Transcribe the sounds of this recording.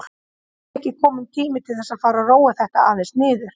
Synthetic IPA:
hcɪkʰɔːmʏnt̪ʰiːmɪt̪ʰɪlθɛsːaðfaːɾaroːwaθɛht̪aaːðenst̪nɪːðʏɾ̥

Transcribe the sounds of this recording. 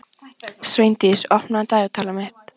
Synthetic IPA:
svejnt̪ɪsɔhpnant̪aʏt̪ʰaːlamɛht̪

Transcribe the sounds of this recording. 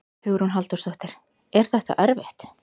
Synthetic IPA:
θʏɣɾhunɦalt̪ɔɾ̥sɔht̪ɪɾ̥ | ɛɾ̥θɛht̪a̰ʔœɾvɪht̪

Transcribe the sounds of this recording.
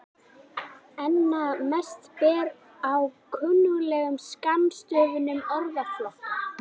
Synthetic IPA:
ɛnːamɛst̪pɛːɾ | awkʰʏnːʏɣlɛːɣʏmskamːst̪œːvʏnʏmœɾðaflɔht̪

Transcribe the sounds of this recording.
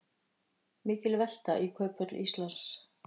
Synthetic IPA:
mɪːcɪlvɛl̥t̪a̰ʔikʰœːpœt̪lʔḭst̪lans

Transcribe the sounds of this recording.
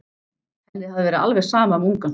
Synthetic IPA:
ɛnːɪhavðɪvɛːɾɪa̰lvɛɣ̥saːmamuŋkʏn

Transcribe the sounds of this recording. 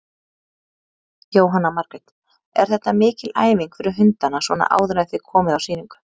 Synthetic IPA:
joːwɦanːamaɾkɾɛt̪ | ɛ̰ɾ̥θɛht̪ːamɪːcɪla̰ːjviŋkfɪɾɪɦʏnt̪anasvɔːna̰ʔa̰ːwðɾaθɪkʰɔːmɪðawsiːniŋkʏ̥

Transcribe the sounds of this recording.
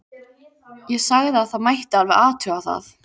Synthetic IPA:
jɛɣsaɣðɪaðθaðmajht̪ɪalvɪðaːt̪ʰʏawθa̰θ

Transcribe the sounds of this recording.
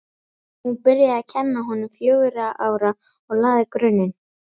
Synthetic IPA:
hunpɪɾjaacʰɛnːaɦɔnʏmfjœːɣʏɾaʔaːwɾa | ɔɣlaːðɪkɾʏnːɪn

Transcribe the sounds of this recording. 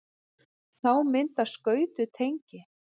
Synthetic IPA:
θawmɪnt̪askœːɥt̪ʏt̪ʰejɲcɪ

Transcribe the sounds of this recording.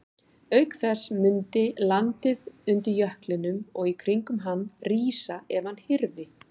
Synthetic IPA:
œɥkθɛsmʏnt̪ɪlant̪ɪðʏnt̪ɪɾjœhklɪnʏmɔɣikʰɾiŋkʏmɦanːriːsaɛvanhɪɾvɪ

